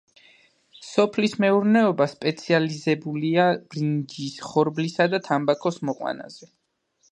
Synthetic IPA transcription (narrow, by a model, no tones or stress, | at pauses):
sɔpʰlismɛuɾnɛɔbaspʼɛt̪sʰializɛbuliab̥ɾind͡ʒisχɔɾblisad̪at̪ʰambakʰɔsmɔqʼwa̰na̰z̥ɛ